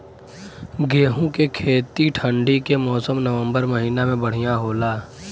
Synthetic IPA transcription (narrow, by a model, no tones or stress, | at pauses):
ɡeːɦũkekʰeːt̪iʈʰəɳɖikemɔːsəmnəʋə̃mbəɾmɐɦiːnamẽbɐɽ̤ijaɦoːlaː